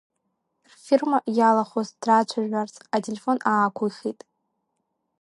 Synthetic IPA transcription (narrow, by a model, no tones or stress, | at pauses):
rfirmajalaχozd̥rat͡ʃʷʰaʒʷᶣart͡sʼatʰʼelefo̞naːkʷʰuχʲitʼ